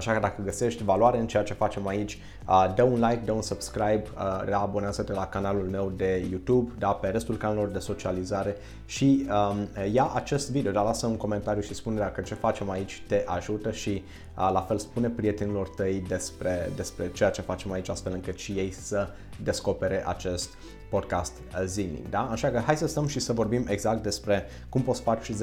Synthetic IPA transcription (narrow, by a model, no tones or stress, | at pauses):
aʃakəd̪akəɡəse̞ʃt̪ʲvaluaɾeɨnt͡ʃe̞jat͡ʃe̞fat͡ʃe̞mait͡ʃʲ | əd̪əunlajkd̪əunsəbskɾajbəɾeabo̞neazəd̪elakanalulme̞wd̪e̞jut̪ubd̪ape̞ɾe̞st̪ulkanalelo̞rd̪e̞so̞t͡ʃializaɾe̞ | ʃiəjaʔat͡ʃe̞st̪vid̪eod̪alasəuŋko̞me̞nt̪aɾijuʃispuneɾeakət͡ʃe̞fat͡ʃe̞mait͡ʃʲt̪e̞ʔaʒut̪əʃi | əlafe̞lspune̞pɾije̞t̪enilo̞rt̪əjd̪e̞spɾe̞d̪e̞spɾe̞t͡ʃe̞jat͡ʃe̞fat͡ʃe̞mait͡ʃʲast̪felɨŋkɨt̪ʃije̞jsə | d̪e̞sko̞pe̞ɾe̞ʔa̰t͡ʃe̞st̪ | po̞d̪̚kast̪zilḭŋd̪aɨnʃakəɦajsəst̪əmʃisəvo̞rbime̞ɡzak̚t̪̚d̪e̞spɾe̞ | kumpot̪sfat͡ʃʃiz